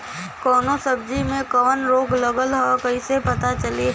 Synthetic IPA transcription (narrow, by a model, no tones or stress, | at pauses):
kɔːnosəbd͡ʒimẽkɐʋənɾoːɡlɐɡəlɦɔkɐisepɐt̪at͡ʃɐli